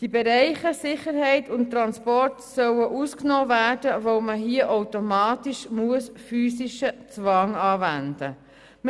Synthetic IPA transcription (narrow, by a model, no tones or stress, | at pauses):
d̥ibɛɾɛɪχəsɪχəɾɦɛɪtʰʊnt̚tːɾɑnspɔrtsœwəʔusknoːvæːrdəvoʊməɦiəʔoʊtomɑːtiʃmuəsfyːsiʃət͡svɑŋɑːvænd̥ə | m